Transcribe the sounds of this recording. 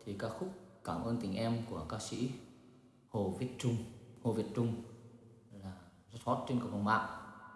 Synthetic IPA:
t̪ʰi˨˩kaː˦˥k̚xʊ˦˥k͡p̚kaː˧˩mʔəː˧nt̪ï˨˩ŋ̟ʔɛ˧mku˧˩əkaː˧sḭ˧˥ | ho˨˩vi˨˩ət̚t͡ɕʊ˧ŋ͡mho˨˩vi˨˩ət̚t͡ɕʊ˧ŋ͡m | laː˨˩zə˦˥t̚hɔ˦˥t̚t͡ɕe˧nkə˨˩ə˧wŋ͡mma̰ː˧˨w

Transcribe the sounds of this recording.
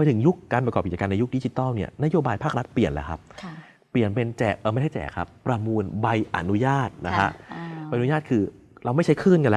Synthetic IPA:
pa˧jt̪ʰɯ˩˦ŋju˦˥kːaː˧np̬ɾkɔː˨˩p̚ki˨˩t͡ɕa˧kːna˧ju˦˥k̚di˦˥t͡ɕi˧˦t̪ɔː˥˩ni˥˩ɐna˦˥joː˧baː˧jpʰaː˥˩k̚ɾa˦˥t̪̚pli˨˩ənlɛ˦˥kʰa̰˦˥p̚ʰ | pli˨˩ənpe˧nt͡ɕɛː˨˩k̚ʔɤː˧˩ma˥˩hʰa˥˩t͡ɕɛ̰ː˨˩kʰa̰˦˥pːɾa˧mu˧nba˧jʔa̰˨˩nu˦˥jaː˥˩t̪̚na˦˥kʰa˦˥ʔa˧jʔjaː˥˩t̪̚kʰɯː˧ | ɾa˧wma˥˩jt͡ɕʰa˦˥jkʰɯː˥˩nka˧nlɛ˦˥

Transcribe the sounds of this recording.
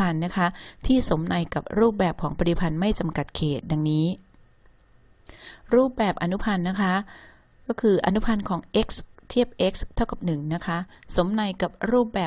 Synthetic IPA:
a˧nːa˦˥kʰa˦˥t̪ʰiː˥˩so˩˦mna˧jka˨˩p̚ɾuː˥˩p̚bɛː˨˩p̚kʰɔː˩˦ŋpa˧ɾi˨pʰa˧nma˥˩jt͡ɕa˧mka˨˩t̪̚kʰeː˨˩t̪̚da˧ŋniː˦˥ | ɾuː˥˩p̚bɛː˨˩p̚ʔa˧nu˦˥pʰa˧nːa˦˥kʰa˦˥ | kɔː˥˩kʰɯː˧ʔa̰˧nu˦˥pʰa˧nkʰɔː˩˦ŋʔe˦˥k̚st̪ʰi˥˩əp̚ʔe˦˥k̚st̪ʰa˥˩wka˨˩p̚nɯ˨˩ŋna˦˥kʰa˦˥so˩˦mna˧jka˨˩p̚ɾuː˥˩p̚bɛː˨˩

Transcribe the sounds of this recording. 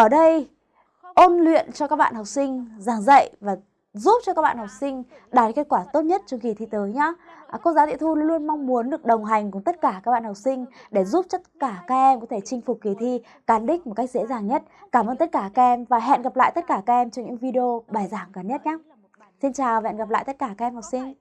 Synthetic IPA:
ʔəː˧˩ɗə˧j | ʔo˧nlwḭ˧˨ənt͡ɕɔ˧kaː˦˥k̚ɓa̰ː˧˨nha˨˩k͡p̚sï˧ŋ̟zaː˨˩ŋzə̰˧˨jvaː˨˩ | zu˦˥p̚t͡ɕɔ˧kaː˦˥k̚ɓa̰ː˧˨ha˨˩p̚sï˧ŋ̟ | ɗaː˨˩ke˦˥t̚kwaː˧˩t̪o˦˥t̚ɲə˦˥t̚t͡ɕɔ˧ŋ͡mki˨˩t̪ʰi˧˩t̪əː˨˦jɲaː˨˦˥kɔ˧nzaː˨˦t̪ḭ˧˨t̪ʰu˧llu˧ənma˧wŋ͡mmu˨˦ənɗɨ˨˩ək̚ɗə˨˩wŋ͡mɦa˨˩jŋ̟k̬ʊ˧˩ŋ͡mt̪ə˦˥t̚kaː˧˩kaː˦˥k̚ɓaː˧˨ha˨˩p̚sï˧ŋ̟ɗe˧˩zu˦˥p̚t͡ɕə˦˥t̚kaː˧˩kaː˦˥k̚ʔɛ˧mkɔ˨˦t̪ʰe˧˩t͡ɕï˧ŋ̟fʊ˨˩k͡p̚ki˨˩t̪ʰi˧ | kaː˨˧˩nɗï˦˥k̟̚m˨˩t̚ka˦˥k̚zḛ˧˥zaː˨˩ŋɲə˦˥t̚kaː˧mʔəː˧nt̪ə˦˥t̚kaː˧˩kaː˦˧˥ʔɛ˧mvaː˨˩ɦɛ̰˧˨nɣa˨˩pla̰ː˧˨jt̪ə˦˥t̚kaː˧˩kaː˦˥k̚ʔɛ˧mt͡ɕɔ˧ŋ͡mɲɨ̰˧˥ŋvi˧ɗi˧o˧ɓaː˨˩jzaː˧˩ŋkaː˨˩nɲə˦˥t̚ɲaː˨˦˥ | si˧nt͡ɕaː˨˩wvɛ̰˧˨nɣa˨˩pl̰ːjt̪ə˦˥t̚kaː˧˩kaː˦˥ɛ˧mha˨˩p̚sï˧ŋ̟

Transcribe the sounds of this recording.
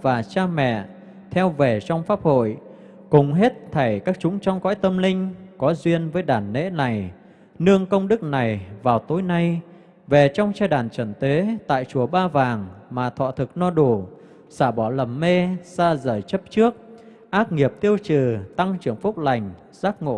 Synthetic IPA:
vaː˨˩t͡ɕaː˧mɛ̰˧˨ | t̪ʰɛ˧wve˨˩t͡ɕɔ˧wŋ͡mfaː˦˥p̚ho̰˧˨j | kʊ˨˩ŋ͡mɦe˦˥t̚t̪ʰə˧˩jkaː˦˥k̚t͡ɕʊ˨˦ŋ͡mt͡ɕɔ˧wŋ͡mkɔ̰˧˥jt̪ə˧mlï˧ŋ̟kɔ˨˦zwi˧ənvəː˨˦jɗaː˧˩nːḛ˧˥na˨˩j | nɨ˧əŋkə˧wŋ͡mɗɨ˦˥k̚na˨˩jvaː˨˩wt̪o˨˦jna˧j | ve˨˩t͡ɕɔ˧wŋ͡mt͡ɕaː˧jɗaː˧˩nt͡ɕə˧˩nt̪e˨˦t̪a̰ː˧˨jt͡ɕu˨˧˩əɓaː˧vaː˨˩ŋmaː˨˩t̪ʰɔ̰ː˧˨t̪ʰɨ˨˩k̚nɔ˧ɗu˧˩ | saː˧˩ɓɔ˧˩lə˨˩mːe˧saː˧zəː˧˩jt͡ɕə˦˥p̚t͡ɕɨ˦˥ək̚ | ʔaː˦˥t̚ŋi˨˩əp̚t̪i˧əwt͡ɕɨ˨˩t̪a˧ŋt͡ɕɨ˧˩əŋfʊ˦˥k͡p̚la˨˩jŋ̟ | z̥aː˦˥k̚ŋo̰˧˨

